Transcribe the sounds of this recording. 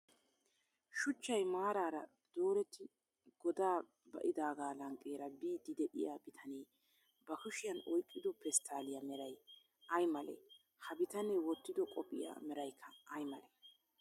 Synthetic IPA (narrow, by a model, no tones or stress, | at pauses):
ʃʊt͡ʃːɐjmaːɾaːɾɐ | d̪̥o̞ːɾɛt̪ːɪ | ɡ̥ɔd̪aː | bɐ̰ʔɪd̪aːɡaːlɐŋkʼːeːɾɐbiːd̪ɪd̪ɛʔɪ̰jabɪt̪ʰɐneː | bɐkʊʃɪjɐnɔjkʼːɪd̪ɔpɛst̪ʰːaːlɪjɐmɛɾɐj | ʔɐjmɐlḛ | hɐbɪt̪ɐnewɔt̪ːɪd̪ɔkʼɔpʼːɪ̰ja̰ːmɛɾɐjkʰːɐːjmɐle